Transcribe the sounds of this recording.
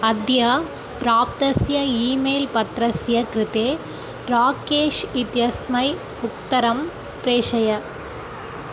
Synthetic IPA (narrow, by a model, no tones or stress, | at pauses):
ɐd̪ʱjɐ | pɾaːp̚t̪ɐsjɐiːmeːlpɐt̪ɾɐsjɐkɾɪt̪eː | ɾaːkeːʂit̪jɐsmɐɪ | ʊk̚t̪ɐɾɐm | pɾeːʂɐjɐ